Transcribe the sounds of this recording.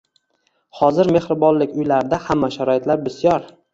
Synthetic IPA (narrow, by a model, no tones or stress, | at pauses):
hɒzɪɾme̞hɾɪbɒnlɪkʲʊjlaɾd̪ahamːaʃaɾɒɪt̪laɾbɪsjɒɾ